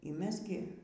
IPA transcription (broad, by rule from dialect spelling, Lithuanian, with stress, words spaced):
iː ˈmʲɛs ɡʲɪ